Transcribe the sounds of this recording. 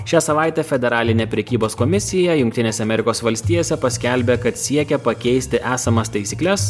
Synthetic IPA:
ʃʲæːsɐʋɑˑɪt̪ʲɛfʲɛd̪ʲɛɾɑːlʲɪnʲeːpʲɾʲɛkʲiːboːskoːmʲɪsʲɪjɛjʊŋk̚ʲt̪ʲɪnʲeːsʲɛɐmʲɛɾʲɪkoːsʋɐlʲsʲt̪ʲiːjoːsʲɛpɐsʲkʲælʲbʲekɐt̪sʲiɛkʲɛpɐkʲɛɪsʲt̪ʲɪʔæːsɐmɐst̪ɐɪsʲiːklʲɛs

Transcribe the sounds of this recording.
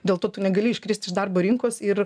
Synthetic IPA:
d̪ʲeːlˠt̪oːt̪ʊnʲɛɡɐlʲɪɪʃʲkɾʲɪːsʲt̪ʲɪʒd̪ɐrboːɾʲɪŋkoːsɪr

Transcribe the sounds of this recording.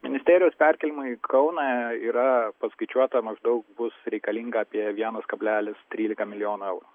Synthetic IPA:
mʲɪnʲɪsʲt̪ʲæːɾʲɪjoːspʲæɾʲkʲɛlʲɪmʊikʰɐʊnɑiːɾɐpɐskɐɪt͡ʃʲuɔt̪ɐmɐʒd̪ɐʊk̚bʊsɾʲɛɪkɐlʲiŋɡɐːpʲiɛʋʲiɛnɐskɐbʲlʲæːlʲɪst̪ʲɾʲiːlʲɪkɐmʲɪlʲɪjoːnuːɛʊɾu

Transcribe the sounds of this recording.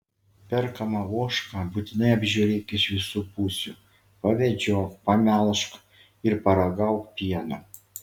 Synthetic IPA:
pʲɛɾkɐmɑuɔʃkɑbuːt̪ʲɪnɐɪɐbʲʒʲuːɾʲeːkɪʃʋʲɪsuːpuːsʲuˑ | pɐʋʲɛd͡ʒʲoːkpɐmʲæːlˠʃk | ɪɾpɐɾɐɡɐʊkpʲiɛno

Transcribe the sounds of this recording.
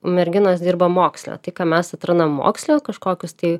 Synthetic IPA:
mʲɛɾʲɡʲɪnoːsd̪ʲiːrbɐmoːksʲlʲo̰ːt̪ɐɪkɑːmʲɛsɐt̪ɾɐnɐmːo̰ːksʲlʲoːkɐʃkoːkʲʊst̪ɐɪ

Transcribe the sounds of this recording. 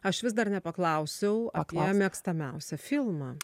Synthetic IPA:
ɐʃʋʲɪsd̪ɐrnʲɛpɐklˠɐʊsʲɛʊɐpːmʲiɛkst̪ɐmʲɛʊsʲɛfʲɪlˠmɑ

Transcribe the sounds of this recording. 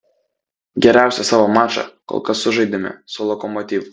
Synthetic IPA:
ɡʲɛɾʲæˑʊsʲɛsɑːʋoːmɑːʃɑ̰ko̰lˠkɐsːʊʒɐɪd̪ʲɪmʲɪ̰sʊlˠɔkɔmɔt̪ʲiːʋʊ

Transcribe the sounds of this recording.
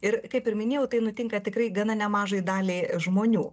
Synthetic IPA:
ɪrkɐɪpɪɾmʲɪnʲeːjɛʊt̪ɐɪnʊt̪ʲɪŋkɐt̪ʲɪkrɐɪɡɐnɐnʲɛmɑːʒɐɪd̪ɑːlʲeːʒmoːnʲuː

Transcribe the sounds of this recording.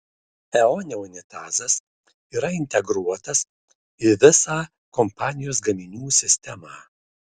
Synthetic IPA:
ɛɔnʲɛʊnʲɪt̪ɑːzɐs | iːɾɐɪnʲt̪ʲɛɡɾuɔt̪ɐs | ɪʋʲɪsɑː | kɔmpɑːnʲɪjoːs̬ɡɐmʲɪnʲuːsʲɪsʲt̪ʲɛmɑː

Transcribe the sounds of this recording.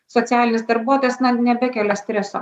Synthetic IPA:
sɔt̪sʲæːlʲɪnʲɪsd̪ɐɾbuɔt̪oːjɛsnɐnʲɛbʲɛkʲɛlʲɛsʲt̪ʲɾʲɛso̰ː

